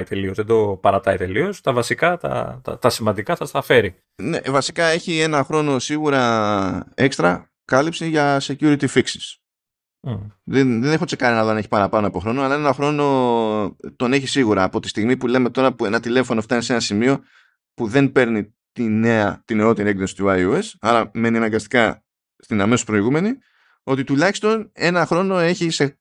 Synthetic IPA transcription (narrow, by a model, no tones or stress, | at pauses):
it̪e̞lio̞zðed̪o̞pɐɾɐt̪ɐit̪e̞lio̞st̪ɐvɐsikɐt̪ɐ̰t̪ɐ̰t̪ɐsimɐnd̪ikɐθɐst̪ɐfe̞ɾi | ne̞̰vɐsi̥kɐe̞çie̞nɐxɾo̞no̞siɣuɾɐ | e̞kst̪ɾɐ | kɐlipsiʝɐse̞cuɾit̪ifiksi̥s | ðeðene̞xo̞t͡se̞kɐɾinɐðoɐne̞çi̥pɐɾɐpɐnoɐpo̞xɾo̞noɐlɐe̞nɐxɾo̞no̞ | t̪o̞ne̞çisiɣuɾɐːpo̞t̪i̥st̪iɣmipule̞me̞t̪o̞ɾɐpue̞nɐt̪ile̞fo̞noɐft̪ɐnese̞nɐsimio̞ | puðe̞npe̞ɾni | t̪ine̞ɐt̪ine̞o̞t̪iɾie̞ɡðo̞si̥t̪uɐjuesɐɾɐme̞niɐnɐŋɡɐst̪i̥kɐ | st̪inɐme̞sospɾo̞iɣume̞ni | o̞t̪it̪ulɐçist̪o̞ne̞nɐxɾo̞no̞e̞çise